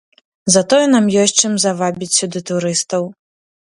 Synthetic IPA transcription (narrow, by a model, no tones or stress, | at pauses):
zɐt̪ɔjɛnamjɔsʲt͡ʂɨmzavabʲit͡sʲsʲud̪ɨt̪uɾɨst̪ɐw